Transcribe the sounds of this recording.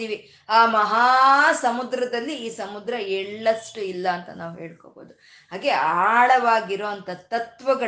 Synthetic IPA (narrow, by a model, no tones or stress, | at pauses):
iːʋi | aːmɐɦaːsɐmud̪ɾɐd̪ɐlːiːsɐmud̪ɾɐɛɭːɐʂʈuilːɐːnt̪ɐ̰na̰ːʋuɦe̞ːɭko̰ːboːd̪u | haːɡe̞aːɭɐʋaːɡiɾoːɐnt̪ɐt̪ɐt̪ʋɐɡɐ